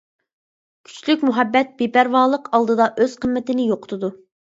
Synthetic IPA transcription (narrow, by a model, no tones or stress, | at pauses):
kʲʰy̥t͡ʃlykʲmuɦɛbːɛt̪̚b̥epæɾwɑːlˠəqɑlˠd̪ɨd̪ɑʔøz̥qʰəmːɪt̪ɪnɪjoqʊ̥t̪ʰʊd̪u